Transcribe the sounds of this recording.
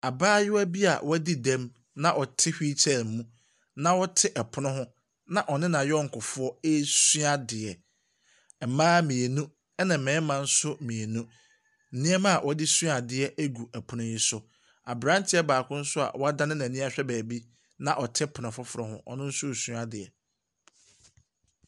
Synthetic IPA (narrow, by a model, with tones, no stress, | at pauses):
a˨baː˦jɪ˦wæ˦bi˦a̰˨wʔɔ˦æ˦di˦dɛ̃˦m | nã˦ʔɔ˨tʰɪ˦hᶣi˦t͡ɕʰɛ˦˨lm˨mũ˦ | nã˦wɔ˦tʰɪ˦ʔɛ˨pʰʊ˨nʊ̃˦ɦʊ̃˦ | nã˦ʔɔ˨nɪ̃˦nã˨jɔ˦ŋ̩˨kʰʊ˨fʊ˦ɔ˦e˦su˦a˨dɪ˨ɛ˨ | mãː˦mĩ˨e˨nũ˦ | ɛ˦nã˨m̩˨mɛ̃ː˨˦mã˨n̩˦sʊ˦mĩ˨e˨nũ˦ | n̩˦nĩ˦ɛ˦mã˦a˨wʔɔ˦dɪ˦su˦a˨dɪ˨ɛ˦ʔæ˦ɡu˨ʔæ˨pʰʊ˨nʊ̃˦ji˦sʊ˦ | a˨bɾã˦n̩˦tʰɪ˦ɛ˦baː˨kʰʊ̃˦n̩˦sʊ˦a̰˨wɔ˦a˦da˦nɪ̃˦nã˨nĩ˦a˦ɕᶣɛ˦bæː˨bi˦ | nã˨ʔɔ˨tʰɪ˦pʰʊ˨nʊ̃˨fʊ˦fʊ˨ɾɔ˦˨hʊ̰̃˦ʔɔ̰˨nɪ̃˦n̩˦sʊ˦˨su˦a˨dɪ˨ɛ˨